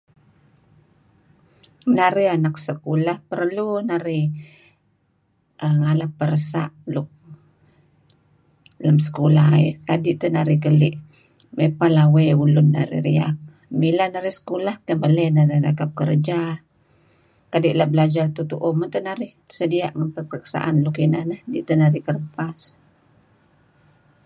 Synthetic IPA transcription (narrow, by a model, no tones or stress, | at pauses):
naɾihanak̚səkulahpərlunaɾi | ʔəŋalapːəɾəsa̰ʔlʊk̚ | lamsə̥kulaɦḭkadiʔt̪ənaɾɪhkəliʔ | mepalawɛjulʊnːa̰ɾḭɾiak̚ | milanaɾɪhsə̥kulaht̪əbələnaɾadakap̚kəɾd͡ʒa | kadiʔlahbəlad͡ʒart̪ut̪uʔʊmant̪ənaɾɪh | sədia̰ʔŋanpərpərəkə̥sa̰ʔanlʊkinəhnəhdiʔt̪ənaɾɪhkərəpas